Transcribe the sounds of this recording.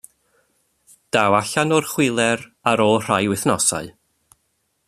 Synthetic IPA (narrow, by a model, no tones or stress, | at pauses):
d̥awaɬanɔrχwɪlˠɛɾaɾɔr̥ajwɪθnɔsa̰ɨ